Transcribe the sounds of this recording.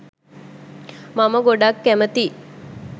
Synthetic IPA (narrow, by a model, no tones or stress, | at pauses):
maməɡoɖakːæmət̪i